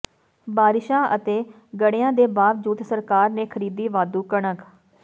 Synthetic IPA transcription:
baːɾɪʃãːʔət̪eː | ɡəɽeːãːd̪eːbaːʋd͡ʒuːt̪səɾkaːɾnẽːkʰəɾiːd̪iːʋaːd̪uːkəɳək

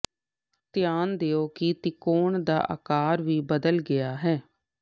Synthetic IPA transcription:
t̪ɪjaːnd̪eːoːkit̪ɪkoːɳd̪a̰ːʔə̰kaːɾʋiːbəd̪əlɡɪjaːɦɛː

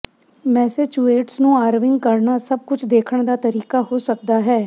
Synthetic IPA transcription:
mɛːset͡ʃuːeːʈsnũːaːɾʋɪŋɡkəɾnaːsəb̚kʊt͡ʃʰd̪eːkʰəɳd̪aːt̪əɾiːkaːɦoːsək̚d̪aːɦɛː

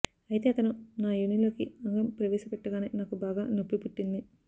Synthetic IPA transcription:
ɐjit̪e̞ːɐt̪ɐnunaːjuniloːkiɐŋɡɐmpɾɐʋeːsɐpeʈːɐɡaːnḛːnaːkubaːɡaːnopːipuʈːind̪i

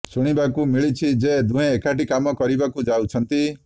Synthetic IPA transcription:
suɽ̃ibakumiɭit͡ʃʰid͡ʒed̪ʱũɦẽːkaʈikamɔkɔɾibakud͡ʒawt͡ʃʰʌnt̪i

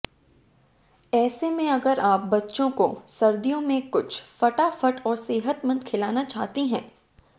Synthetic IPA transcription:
ɛːsemẽɐɡəɾaːp̚bɐtːʃõkosɐɾd̪ijõmẽkʊt͡ʃʰfɐʈafəʈɔːɾseːɦət̪mɐ̃nd̪̚kʰɪlaːnat͡ʃaːɦt̪iɦɛ̰̃ː

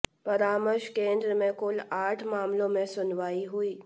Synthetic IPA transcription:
pɐɾaːməɾʃkẽːnd̪ɾəmẽkʊlaːʈʰmaːmlõmẽsʊnʋaːiɦʊiː

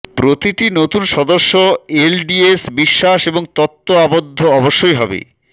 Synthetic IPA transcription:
pɾot̪iʈinot̪unʃɔd̪oɾʃːoelɖiesbiʃːaʃeboŋt̪ɔt̪ːoabod̪ʱːoɔboʃːojɦɔbḛ

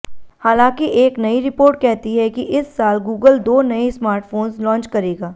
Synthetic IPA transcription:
haːlãːkiʔeːknɐiɾɪpoːɾʈ̚kɛɦt̪iɦɛkiʔɪsːaːlɡuːɡəld̪oːnɐismaːɾʈfʰoːnzlɔ̃ːɲt͡ʃkɐɾeːɡaː

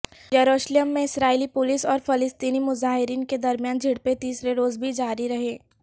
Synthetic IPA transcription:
jɐɾoːʃlijəmːẽɪsɾaːilipʊlɪsɔːɾfɐlɪst̪iːnimʊzaːɦɪɾiːnked̪ɐɾmjaːnd͡ʒʱɪɽpet̪iːsɾeɾoːzbʱid͡ʒaːɾiɾɐɦeː

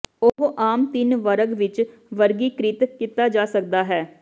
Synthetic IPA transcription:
oːɦoʔaːmt̪ɪnʋəɾəɡʋɪt͡ʃʋəɾɡiːkɾɪt̪kit̪aːd͡ʒaːsək̚d̪aːɦɛː

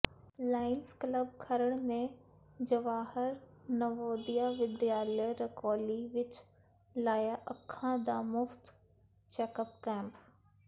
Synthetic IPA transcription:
laːɪnskləb̚kʰəɾəɽnẽ | d͡ʒəʋaːhəɾnəʋoːd̪ijaʋɪd̪jaːləjɾəkoːliʋɪt͡ʃ | laːjaʔɐkʰːãd̪amʊft̪ | t͡ʃɛːkəpkɛ̃ːmp

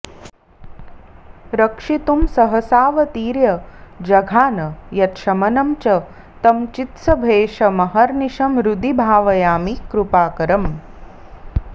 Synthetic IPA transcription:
ɾɐkʂit̪umsɐɦɐsaːʋɐt̪iːɾjɐd͡ʒɐɡʱaːnɐjɐt̪ʃɐmɐnɐmt͡ʃɐ | t̪ɐmt͡ʃit̪sɐbʱeːʃɐmɐɦɐɾniʃɐmɾud̪ibʱaːʋɐjaːmikɾupaːkɐɾɐm

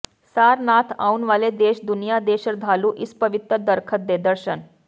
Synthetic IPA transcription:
saɾnat̪ʰaunʋaled̪eɕd̪unijad̪eɕəɾd̪ʱaluːʔispəʋit̪ɾəd̪əɾkʰət̪̚d̪ed̪əɾɕən

